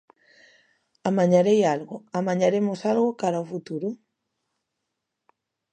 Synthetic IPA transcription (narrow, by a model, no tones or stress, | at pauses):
amaɲaɾejalɣʊamaɲaɾemosalɣʊkaɾaofut̪uɾʊ